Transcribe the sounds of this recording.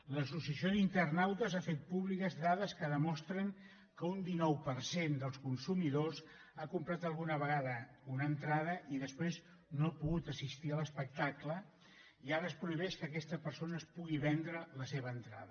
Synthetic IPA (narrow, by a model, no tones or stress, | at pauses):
ləsusiəsioint̪ərnawt̪əzafet̪̚puβlikəzðaðəskəðəmɔst̪ɾəŋ | kəund̪inɔwpəɾsend̪əlˠskunsumiðoz | akumpɾat̪əlˠɣunəβəɣaðəunənt̪ɾaðəʔiðəspɾez | noapuɣut̪əsist̪iələspək̚t̪aklə | iaɾəːspɾuiβ̞ɛʃkəːkɛst̪əpəɾsonəːspuɣiβɛnd̪ɾələseβəːnt̪ɾa̰ðə